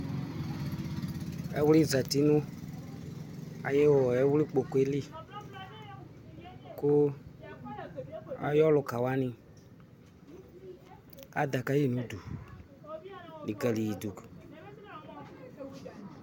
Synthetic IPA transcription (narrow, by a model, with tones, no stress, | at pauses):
ɛ̰˨˦wli˦˨za˨ti˨˦nʊ̃˦ | a̰˨je˦wɔɔ˨ɛ˦wli˦k͡po˨ku˨˦e˦li˦ | kʊ˦ | a̰˦jɔ˦lʊ˨ka˨wa˦nĩ˧ | a̰˨˦da˨ka˦ji˦˨nũ˨˦du˨ | li˨ɡɛ˨li˨ji˨du˨k